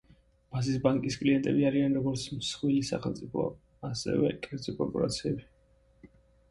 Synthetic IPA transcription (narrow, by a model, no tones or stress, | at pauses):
b̥as̬isbaŋkʼiskʼliɛnt̪ʼɛbiaɾianɾɔɡɔɾt̪sʰmsχwilisa̰χɛlˠt̪sʼipʰɔ̰ | asɛ̰vɛ̰kʼɛɾd̪zɔpʼɾɔkʼuɾa̰t̪sʰiɛbi